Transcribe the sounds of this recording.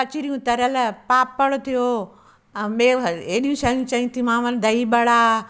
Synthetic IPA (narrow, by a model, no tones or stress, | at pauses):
ɐt͡ʃiɾijũt̪ɐɾəlpaːpːɐɭot̪ʰijo | ɓeːeːɗijũsaːijũt͡ʃɐɦĩt̪ʰimãːʋɐld̪ɐiɓɐɽaː